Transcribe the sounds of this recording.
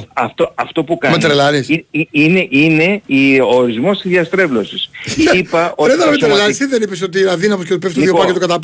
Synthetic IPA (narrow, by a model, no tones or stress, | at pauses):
ɐft̪oɐft̪o̞pukɐmet̪ɾelɐɾisiiineʔine̞iooɾizmo̞st̪izðjɐst̪ɾe̞vlo̞sisipɐotɾeðɐɾmet̪ɾelɐɾsiðenipesot̪iɐðinɐposceot̪ipefst̪oiðiopɐɾet̪okɐt̪ɐ